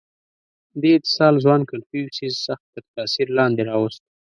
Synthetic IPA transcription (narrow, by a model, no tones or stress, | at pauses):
d̪eɪt̪ɪ̥sɑlzwɑnkalfiwsizsaxt̪ːəɾt̪ɑsiɾlɑnd̪eɾɑwəst̪